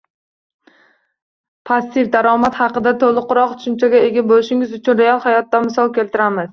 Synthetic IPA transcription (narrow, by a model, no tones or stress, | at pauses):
pʰast̪ɪfd̪aɾɒmat̪hɑqɨd̪at̪ʰolˠɨqʊɾɒqt̪ʰʊ̥ʃʊmt͡ʃʰaɡʲaeɡʲabolɪʃɪŋɪzʊt͡ʃʰʊnɾealˠhajɒt̪ːamɪsɒlˠkʲʰe̞lt̪ɪɾamɪz̥